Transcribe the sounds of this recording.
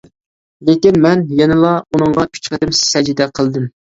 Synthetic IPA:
lekʲinmɛnjɛnɨlˠɑunɨŋʁɑkʲʰy̥t͡ʃʰqəd̪ɪmssɛd͡ʒid̪ɛqʰəlˠd̪ɨm

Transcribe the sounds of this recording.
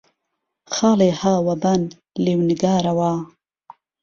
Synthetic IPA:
xɑːleːhaːwɐbɐn | liːwniɡaːɾɐwaː

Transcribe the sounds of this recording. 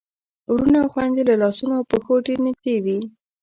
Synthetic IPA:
ɾunawxwand̪elalɑsunoawpəxoʈenik̚t̪ewi

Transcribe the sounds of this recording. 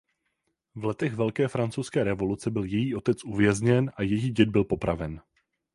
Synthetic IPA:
vlɛt̪ɛɣvɛlkɛːfɾant͡sowskɛːɾɛvo̞lut͡sɛbɪljɛjiːʔo̞t̪ɛt͡sʔuvjɛzɲɛnʔajɛjiːɟɛd̪̚bɪlpo̞pɾavɛn

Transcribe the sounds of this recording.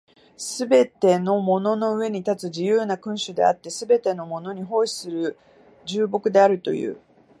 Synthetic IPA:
sɨbe̞t̪e̞no̞mo̞no̞no̞ɯ̟e̞ɲ̟it̪at͡sɨʑijɯːnakɯ̟̃ɰ̃ɕɨd̪e̞̰a̰t̪ːe̞sɨbe̞t̪e̞no̞mo̞no̞ɲ̟iɦo̞ːɕi̥sɨɾɯ̟ | d͡ʑɨːbo̞kɯ̟d̪e̞aɾɯ̟t̪o̞̰jɯ̰ː

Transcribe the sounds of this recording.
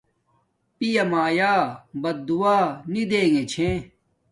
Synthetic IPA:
pijɐmaːjaːbɐt̪̚d̪uwaːnid̪eːŋet͡ɕʰẽ

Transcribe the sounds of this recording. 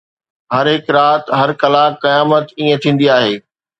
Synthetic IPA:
ɦɐɾɦɪkɾaːt̪ɦɐɾkɐlakɐjaːmət̪iːẽt̪ʰĩːn̆d̪iaːɦeː

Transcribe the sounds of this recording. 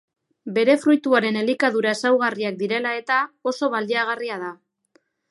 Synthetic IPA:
be̞ɾe̞fɾujt̪uaɾe̞ne̞likaðuɾae̞sawɣ̞ariak̚d̪iɾe̞lae̞t̪ao̞so̞βald̪iaɣ̞ariað̞a

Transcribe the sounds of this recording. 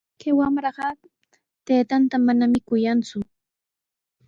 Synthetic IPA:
kawamɾɑɢɑ | t̪eːt̪ant̪amanamɪkʊjant͡sʊ

